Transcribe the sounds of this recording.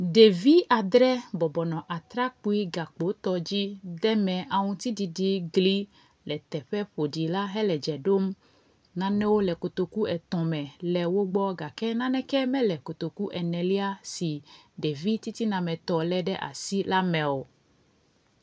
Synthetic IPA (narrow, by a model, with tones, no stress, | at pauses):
ɖe˨vi˦ʔa˨d̪ɾɛ˦bɔ˨bɔ˨nɔ̃˨ʔa˨t̪ɾa˦k͡pu˦i˦ɡa˨k͡po˨˦t̪ɔ˨d͡ʑi˦d̪ɛ˦mɛ̃˨ʔa˨ŋũ˦t̪i˦di˨ɖi˦ɡli˦ | lɛ˨t̪ɛ˨ɸɛ˦ɸo˨ɖi˨la˦ɦɛ˦lɛ˨d͡ʒɛ˨ɖo˦m | nã˨nɛ̃˦wo˦lɛ˨ko˨t̪o˨ku˦ɛ˨t̪ɔ̃˨mɛ̃˨lɛ˨wo˦ɡ͡bɔ˦ɡa˨kɛ˦nã˦nɛ̃˦kɛ˦mɛ̃˦lɛ˨ko˨t̪o˨ku˦ʔɛ˨nɛ̃˨li˦a˦si˨ɖe˨vi˦t̪i˦t̪i˦nã˨mɛ̃˨t̪ɔ˨lɛ˦ɖɛ˦ʔa̰˨si˦la˦mɛ̃˨wo˨